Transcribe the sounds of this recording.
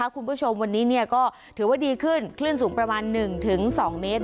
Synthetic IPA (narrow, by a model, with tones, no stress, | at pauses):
a˦˥kʰu˧npʰuː˥˩t͡ɕʰo˧mwa˧nːiː˦˥ni˥˩ɐkɔː˥˩ | t̪ʰɯː˩˦waː˥˩diː˧kʰɯ˥˩nkʰlɯ˥˩ənsuː˩˦ŋpɾa˧maː˧nːɯ˨˩ŋt̪ʰɯ˩˦ŋsɔː˩˦ŋmeː˦˥t̪̚